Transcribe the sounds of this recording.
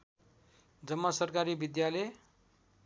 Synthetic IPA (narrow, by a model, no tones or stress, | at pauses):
d͡zʌmːasʌrkaɾibid̪jale